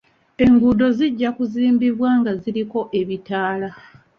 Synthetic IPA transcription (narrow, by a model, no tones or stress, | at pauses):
e̞ŋɡudo̞ziɟːakuziːmbiβwaːŋɡaziɾiko̞ʔe̞βitaːla